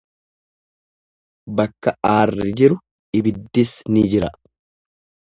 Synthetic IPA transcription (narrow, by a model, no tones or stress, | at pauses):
bɐkːɐʔaːrːɛd͡ʒɪɾʊ | ɪbɪd̪ːɪsnɪd͡ʒɪɾɐ